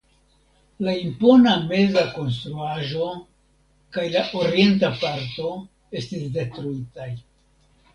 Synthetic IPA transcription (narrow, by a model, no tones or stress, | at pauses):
laimpo̞name̞zako̞ns̬t̪ɾuaʒo̞ | kajlaʔo̞ɾie̞ntapaɾto̞ | e̞stisde̞tɾuitaj